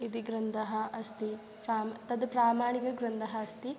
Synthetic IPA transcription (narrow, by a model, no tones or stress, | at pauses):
id̪iɡɾɐnd̪ɐɦɐɐst̪i | pɾaːmt̪ɐd̪pɾaːmaːɳikɐɡɾɐnd̪ɐɦɐɐst̪i